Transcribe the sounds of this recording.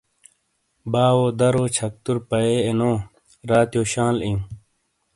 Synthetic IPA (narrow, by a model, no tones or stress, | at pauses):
baːwoːd̪ɐɾoːt͡ɕʰɐk̚t̪uɾpɐeːenoː | ɾaːt̪joːɕãːlĩ